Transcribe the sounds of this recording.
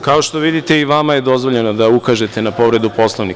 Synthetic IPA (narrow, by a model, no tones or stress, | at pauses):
kaoʃt̪o̞ʋid̪it̪e̞iʋamajed̪o̞zʋo̞ʎe̞nod̪aukaʒe̞t̪e̞napo̞ʋɾe̞d̪upo̞slˠoʋnik